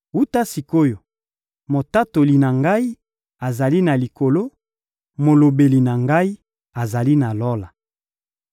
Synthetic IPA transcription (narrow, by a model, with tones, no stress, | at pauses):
u˦ta˦si˨ko˦jo˨ | mo˨ta˦to˨li˨na˨ŋɡa˦i˦ | a˨za˨li˦na˨li˨ko˨lo˦ | mo˨lo˨be˨li˨na˨ŋɡa˦i˦ | a˨za˨li˦na˨lo˦la˨